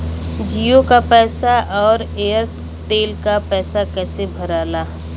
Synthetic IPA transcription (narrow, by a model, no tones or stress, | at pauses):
d͡ʒijokapɛːsaʔɔːɾeːəɾ | t̪eːlkapɛːsakɛːsebʱəɾaːlaː